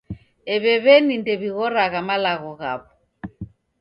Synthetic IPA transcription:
ɛβɛβɛnindɛβiɣɔɾaɣamalaɣɔɣa̰βɔ

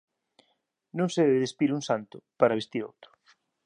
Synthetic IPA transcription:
nõŋseðɛβeðespiɾuŋsant̪ʊpaɾaβest̪iɾo̰wt̪ɾʊ̥

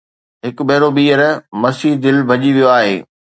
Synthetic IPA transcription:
ɦɪk̆ɓɐɦɪɾoɓiːəɾmɐsiːɦd̪ɪlbʱɐʄiʋijoaːɦḛː

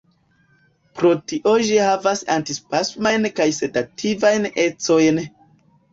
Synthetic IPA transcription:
pɾo̞tiʔo̞d͡ʒihavasa̰ntispasmajnkajsetatʰivajne̞t͡so̞jn

